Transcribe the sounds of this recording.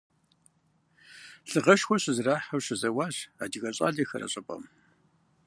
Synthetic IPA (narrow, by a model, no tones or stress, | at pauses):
ɬɨʁɐʃxʷɔɕɪzraːħɐwɕɪzɐwaːʑa̰ːdiɣɐɕʼa̰ːɮɐxɐ̰rɐ̰ɕʼɐpʼɐ̰m